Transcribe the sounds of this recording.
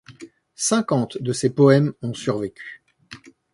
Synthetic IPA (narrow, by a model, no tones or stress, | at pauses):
sɛ̃kɑ̃t̪d̪əsepɔɛmɔ̃syʁvekʲʰy̥